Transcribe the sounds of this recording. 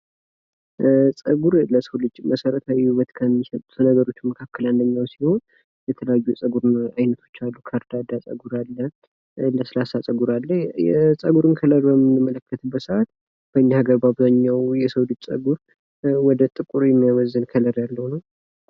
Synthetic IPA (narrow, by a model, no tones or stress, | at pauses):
sʼəɡuɾləsəwlɨd͡ʒməsəɾət̪ʰawihuβət̪kʰəmːisət̪ʼut̪ʰənəɡəɾo̞t͡ʃːuməkʰakʰːəlɨnd̪əɲːawsiho̞n | jɛt̪ʰələjajːujɛsʼəɡuɾnajnət̪ʰo̞̥t͡ʃːalːukʰəɾd̪ad̪asʼə̰ɡuɾalːə | ləsɨlasasʼəɡuɾalːəhjɛsʼəɡuɾɨnkʰələɾbəmːɨnɨmːələkʰːət̪ʰɨbːət̪səʔat̪ | b̥əɲːahaɡəɾbaβzaɲːawjɛsəwlɨd͡ʒsʼə̰ɡuɾ | wɔd̪ət̪ʼɨkʼuɾjɛmːijawɔzːɨnkʰələɾjalːəhunəw